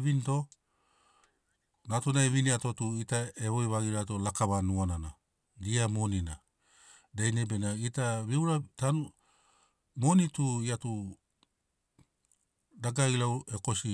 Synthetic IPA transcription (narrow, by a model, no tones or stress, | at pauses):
βinto̞ | natunaeβiniato̞tuitaeβojβaɡiɾatolakaβanuanana | diamo̞nina | dajnebe̞naitaβiwɾatanu | mo̞nituiatu | daɡailawe̞ko̞si